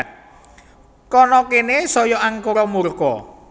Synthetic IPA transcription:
t̪̚ | kɔnɔkenesɔjɔʔaŋkoɾɔmurkɔ̰

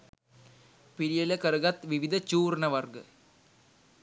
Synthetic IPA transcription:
piɾijɐlekɐɾɐɡɐt̪ʋiʋid̪ʱɐt͡ɕuːrnɐʋɐrɡɨ

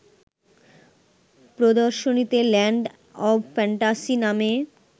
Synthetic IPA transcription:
pɾod̪oɾʃonit̪elɛɳɖ | ɔbfɛɳʈasiname

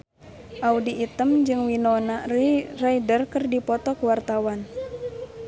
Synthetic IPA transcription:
ʔaudiːt̪əmd͡ʒɨŋwinɔnariraidərkɨrdipɔt̪ɔkuwart̪awan

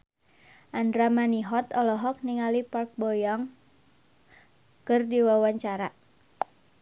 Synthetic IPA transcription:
ʔandɾamaniɦɔt̪ɔlɔɦɔk̚niŋalipark̚bɔjɔŋ | kɨrdiwawaɲt͡ʃaɾa

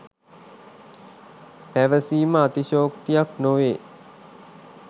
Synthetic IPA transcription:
pæʋəsiːməat̪iʃoːkt̪ijaknoʋeː

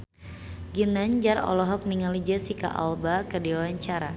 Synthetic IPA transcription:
ɡinaɲd͡ʒarɔ̰lɔɦɔk̚niŋalid͡ʒasika̰ʔa̰lbakərdiwawaɲt͡ʃaɾa̰

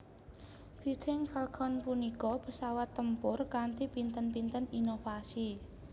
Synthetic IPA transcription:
fit͡ʃɪŋfɛlkʰɔnpunikɔpəsawat̪ːəmpʊrkant̪ipint̪ənpint̪əninofasi

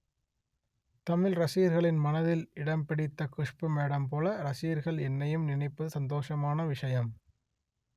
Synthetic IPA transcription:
t̪ɐmɪlɾɐsɪjɐɾɣɐɭɪnmɐnɐðɪlɪɽɐmpɪɽɪt̪ːɐkʊʂpɯmeːɽɐmpoːlɐɾɐsɪjɐɾɣɐɭɛnːɐjɯmnɪnɐɪpːɐðɯsɐnd̪oːʂɐmaːnɐʋɪʂɐjɐm

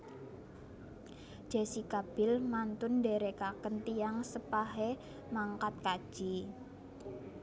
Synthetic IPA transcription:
ʒ̥asikab̥ɪlmant̪ʊnɖeɾekakənt̪iaŋsəpaɦe | maŋkat̪̚kad̥ʒ̥i

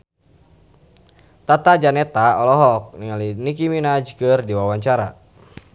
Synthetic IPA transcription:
t̪at̪ad͡ʒanɛt̪aɔlɔɦɔk̚niŋalinikiminad͡ʒkɨrdiwawaɲt͡ʃaɾa̰

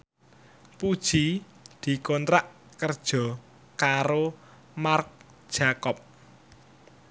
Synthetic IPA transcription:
pud̥ʒ̥i | d̪̥i̤kont̪ɾaʔ | kərd̥ʒ̥ɔ̤ | kaɾo | mark̚ | d̥ʒ̥a̤kɔp̚

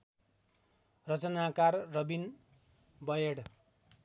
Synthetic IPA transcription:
rʌt͡sʌnakarːʌbin | bʌjeɽ

